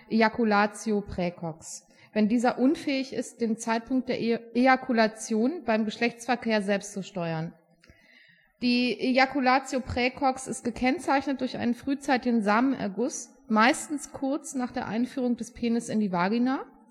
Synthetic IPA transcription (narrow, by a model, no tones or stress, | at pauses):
ʔeakulaːt͡sjopʁ̥ɛːkʰɔks | vɛndiːzɐʔʊnfɛːɪçɪ̰st̚d̥eːmt͡saɪt̚pʰʊŋktd̥eːɐʔeakʰulat͡sjoːnb̥aɪmɡəʃlɛçt͡sfɛɐkʰeːɐzɛlpstt͡suʃtɔʏɐn | d̥iːʔeakulaːt͡sjopʁ̥ɛːkʰɔksɪstɡ̥əkʰɛnt͡saɪçnət̚d̥ʊɐçʔa̰ɪnənfʁ̥yːt͡saɪtɪɡn̩zaːməmʔɛ̰ɐɡʊs | maɪstn̩skʰʊɐt͡snaːχd̥eːɐʔa̰ɪnfyːʁ̞ʊŋdɛspʰeːnɪsɪndiːvaːɡinaː